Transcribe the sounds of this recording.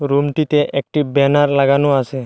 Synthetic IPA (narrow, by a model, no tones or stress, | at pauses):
ɾumʈit̪eʔek̚ʈibɛnaɾlaɡanoase